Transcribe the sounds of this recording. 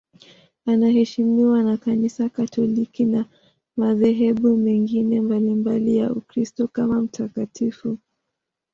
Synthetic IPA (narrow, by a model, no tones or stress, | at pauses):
anahɛʃimiwanakanisakatʰɔlikina | maðɛɦɛɓumɛŋɡinɛmbalimbalija̰ukɾistɔkamam̩tʰakatʰifu